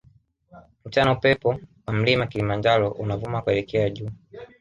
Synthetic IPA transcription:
m̩t͡ʃanaupɛpɔwam̩limakilimand͡ʒaɾɔʔunavumakwɛlɛkɛaʄuː

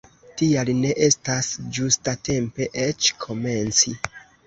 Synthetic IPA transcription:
tialine̞ʔe̞stasd͡ʒustate̞mpe̞ʔet͡ʃkʰo̞me̞nt͡si

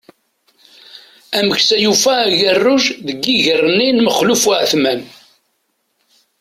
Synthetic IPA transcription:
æməçsæjufæːʝərːʊʒðəɡːiʝərˤəninməχlufʕəθmæn

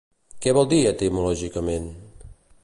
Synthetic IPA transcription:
kɛβɔlˠd̪iət̪əmulɔʒikəmen

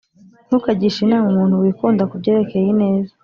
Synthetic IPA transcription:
n̥hukaɟiʃinaːwumuːn̥huwiːkuːndakubɟe̞ːɾe̞ke̞jine̞ːza

